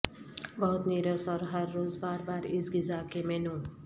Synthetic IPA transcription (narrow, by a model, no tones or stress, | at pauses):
bʌɦut̪neɾəsɔɾɦəɾːoːzbaːɾbaːɾisɡizakemenũ